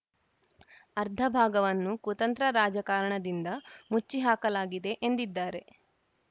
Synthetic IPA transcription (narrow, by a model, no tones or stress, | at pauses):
ɐɾd̪ʱɐbʱaːɡɐʋɐnːukut̪ɐnt̪ɾɐɾaːd͡ʒɐkaːɾɐɳɐd̪ind̪ɐmut͡ʃːiɦaːkɐlaːɡid̪e̞ʔend̪id̪ːaːɾe̞